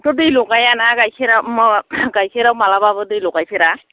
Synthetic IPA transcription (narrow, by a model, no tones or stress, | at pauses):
tɔdɯjlɔɡajanaɡajkʰeɾamɡajkʰeɾawmalabaβɯdɯjlɔɡajpʰeɾa